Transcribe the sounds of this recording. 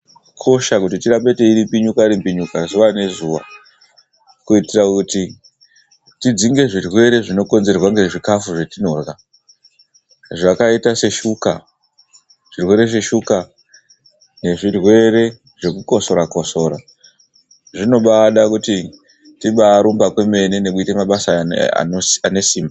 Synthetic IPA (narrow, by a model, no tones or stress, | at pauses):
kʰo̞ʃakut̬itiɾampe̞te̞iɾimpiɲukaiɾimbiɲukazuʋane̞zuʋa̰ | kuitirakuti | tid͡ziŋɡe̞ʐirwe̞ɾe̞ʐino̞ko̞nze̞rwaŋɡe̞ʐikafuʐe̞tino̞ːrɣa | ʐakaitase̞ʃuka̰ | ʐ̥irwe̞ɾe̞ʐe̞ʃuka | ne̞ʐirwe̞ɾe̞ | ʐe̞kuko̞so̞ɾakoso̞ːɾa | ʐino̞ɓaɗakuti | tiɓaɾumbakwe̞me̞nene̞kuite̞maɓasaa̰ane̞siːmba